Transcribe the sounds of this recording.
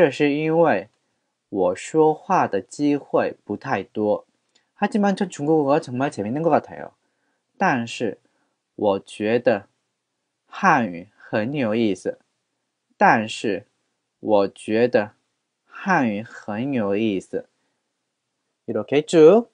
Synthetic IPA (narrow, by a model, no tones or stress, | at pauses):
ʈ͡ʂɤʂɻ̩inweɪ | wɔʂwɔxwad̪ət͡ɕixweɪput̪ʰaɪt̪wɔ | t̪ʰat͡ɕinmanʈ͡ʂʰɤʈ͡ʂʰuŋkuxəʈ͡ʂʰŋmat͡ɕʰɛmnat̪ʰao̰ | t̪anʂɻ̩ | wʔɔt͡ɕɥɛd̪ə | xany̰xənjoʊisɹ̩ | t̪anʂɻ̩ | wɔt͡ɕɥɛd̪ə | xanyxənjoʊisɹ̩ | ilokʰeɪʈ͡ʂu